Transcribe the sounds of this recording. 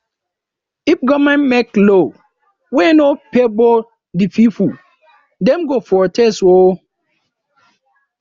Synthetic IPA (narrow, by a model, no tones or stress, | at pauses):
ifɡɔmɛ̃nmɛklo | wɛnopebɔ | dififu | dɛ̃mɡofɔtʰɛswo